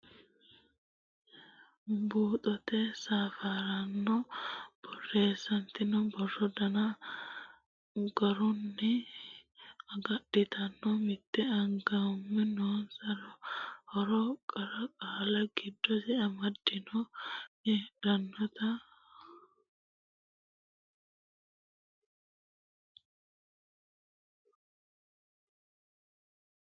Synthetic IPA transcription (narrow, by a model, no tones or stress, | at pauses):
buːt̪ʼɔt̪ɛsaːfaɾɐnːɔb̥ɔrːe̞ːsːɐnt̪ɪnɔbɔrːɔd̪ɐna | ɡɐɾʊnːɪ | ɐɡɐɗːɪt̪ʰɐnːɔmɪt̪ːɛɐŋɡɐʊmːɛnoːnsɐɾɔhɔɾɔkʼɐɾɐkʼaːlɐɡɪd̪ːɔsɛɐmɐd̪ːɪnɔɛɾɐnːɔt̪ɐ